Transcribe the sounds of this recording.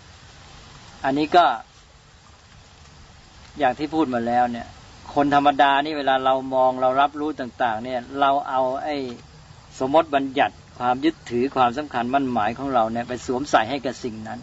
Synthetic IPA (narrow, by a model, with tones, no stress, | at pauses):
ʔa˧nːiː˦˥kɔː˥˩ | jaː˨˩k̚t̪ʰiː˥˩pʰuː˥˩t̪̚maː˧lɛː˦˥wni˥˩ɐ | kʰo˧nt̪ʰa˧mːa˧daː˧niː˥˩weː˧laː˧ɾa˧wmɔː˧ŋɾa˧wɾa˦˥p̚ɾuː˦˥t̪aː˨˩ŋt̪aː˨˩ŋni˥˩ɐɾa˧wʔa˧wʔa˥˩j | so˨˦mːo˦˥t̪̚ba˧nja˨˩t̪̚kʰwaː˧mju˦˥t̪ʰːɯː˩˦kʰwaː˧msa˩˦mkʰa˧nma˥˩˨nmaː˩˦jkʰɔː˩˦ŋɾa˧wni˥˩ɐpa˧jsuː˩˦əmsa˨˩jɦa˥˩jka˨˩p̚si˨˩ŋna˦˥n